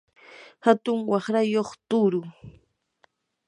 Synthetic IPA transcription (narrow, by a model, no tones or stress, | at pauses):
hat̪ʊŋwɑχɾajoχt̪ʊɾʊ